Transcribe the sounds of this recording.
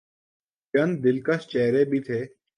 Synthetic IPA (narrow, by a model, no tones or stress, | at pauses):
t͡ʃənd̪ɪlkəst͡ʃɛːɾeːbʱiːt̪ʰeː